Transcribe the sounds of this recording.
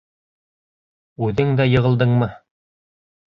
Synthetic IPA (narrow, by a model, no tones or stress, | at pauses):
ʉðɘŋd̪æjɤ̆ʁɤ̆lˠd̪ɤɴmɤ